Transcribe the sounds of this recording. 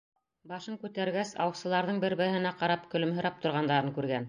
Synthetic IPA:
bɑʃɤɴkʉt̪æɾɡæsɑ̰wɤ̆sɤ̆lˠɑɾðɤɴbɘ̆ɾbɘ̆hɘ̆næqɑɾɑpkɵ̆lɵ̆mɦɤ̆ɾɑp̚t̪ŏɾʁɑnd̪ɑɾɤŋkʉɾɡæn

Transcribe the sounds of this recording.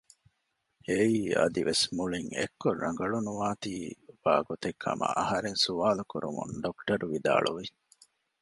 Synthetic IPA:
eiːɐ̰d̪iʋʔesmuɭiŋḛkːorːɐŋɡɐɭunuʋaːt̪iːb̥a̰ːɡot̪ekʰːɐ̰mʔɐ̰ʔɐɦɐɾeŋsuʋaːlukuɾumṵɳɖokʈɐɾuʋid̪a̰ːɭuʋi

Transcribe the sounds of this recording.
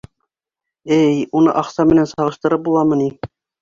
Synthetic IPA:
ɘjunɤ̰ʔɑqsɑmɘ̆nænsɑʁɤ̆ʃt̪ɤ̆ɾɤp̚bulˠɑmɤ̆ni

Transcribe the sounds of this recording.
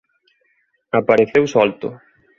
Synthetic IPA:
apaɾeθewsɔlt̪ʊ̰

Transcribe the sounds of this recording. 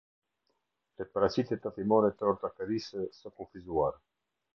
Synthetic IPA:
t̪epɾasit̪et̪afimoɾet̪oɾt̪akeɾisəsakufizuaɾ

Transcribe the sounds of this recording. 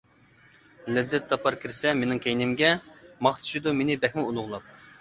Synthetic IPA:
lɛzːɛt̪ʰːɑpʰɑɾkʲʰiɾsɛmenɪŋkʲʰɛjnɪmɡʲɛmɑχt̪ʰu̥ʃid̪umenɪbɛxʲmɪulˠʊʁlˠɑp̚

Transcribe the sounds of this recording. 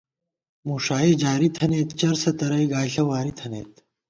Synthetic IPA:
muːʂaːed͡ʑaːɾit̪ʰɐneːt̪t͡ɕɐɾsɐt̪ɐɾɐjɡaːɬɐwaːɾit̪ʰɐnḛːt̪

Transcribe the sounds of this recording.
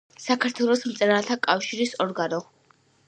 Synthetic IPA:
sakʰaɾt̪ʰwɛlˠɔsmt̪sʼɛɾalt̪ʰakʼafʃiɾisɔɾɡanɔ

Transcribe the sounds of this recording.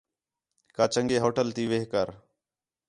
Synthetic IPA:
kaːt͡ʃəŋɡeːɦoːʈəlt̪iːʋeːɦkəɾ

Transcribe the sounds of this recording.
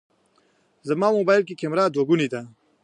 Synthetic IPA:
zɐmaːmobaːjlkikemɾaːd̪woɡunid̪a

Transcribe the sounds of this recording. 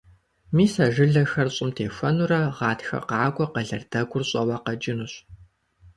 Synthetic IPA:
miːsɐʒɨɮɐxɐrɕʼɪmtʰeːfʷɐnuɾɐʁɑːtxɐ̰qɑːkʷʼɔqɐɮɐrdɐɡʷʊrɕʼɐwɐqɐd͡ʒɪnuɕ

